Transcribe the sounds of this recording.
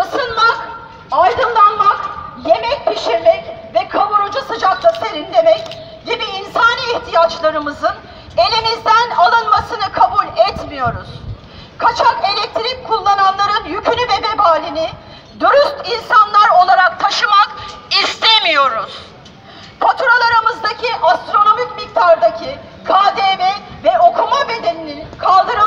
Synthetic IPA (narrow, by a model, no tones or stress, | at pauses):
basɯnmak | ajd̪ɯnlˠanmakje̞mɛc̚pʰiʃemɛcvɛkʰavuɾud͡ʒusɯd͡ʒaklˠaseɾind̪e̞mɛc | ɟibiːnsaːniːçt̪ʰijat͡ʃlˠaɾɯmɯzɯn | e̞lʲimizd̪ænalˠɯnmasɯnɯkʰabulʲɛt̪mijo̞ɾuz̥ | kʰat͡ʃʰake̞lʲɛc̚t̪ʰiɾik̚kʰːulˠːananlˠaɾɯnjycʰynyvɛbɛbaːlʲini | d̪uɾyst̪insanlˠaɾo̞lˠaɾak̚t̪ʰaʃɯmakist̪ʰemijo̞ɾuz̥ | pʰat̪ʰuɾalˠaɾamɯzd̪acʰiʔast̪ɾo̞no̞micmik̚t̪ʰaɾd̪acʰi | kʰaːd̪emɛvɛo̞kʰumabe̞d̪e̞nininkʰalˠd̪ɯɾɯ